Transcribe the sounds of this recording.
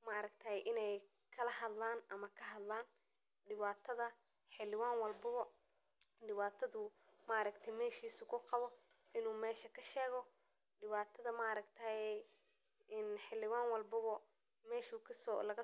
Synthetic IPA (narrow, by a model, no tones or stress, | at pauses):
mɐɾɐkt̪ʰɐːjʔɪnɛj | kʰɐlɐɦɐd̪laːnʔɐmɐkʰɐɦɐd̪laːn | ɖɪβaːt̪ʰɐðɐ | ħɪlɪwaːnwɑlbɐβɔ | ɖɪβaːt̪ʰɐðʊ | maɾɐkt̪ʰɛjmɛːʃiːsʊkʰʊqɑβɔ | ɪnuːmɛːʃɐkʰɐʃɛːɣɔ | ɖɪβaːt̪ʰɐðɐmaʔɑɾɐɡt̪ʰɐɛ | ɪnħɪlɪwaːnwɑlbɐβɔ | mɛːʃʊkʰɐsɔlɐɣɐ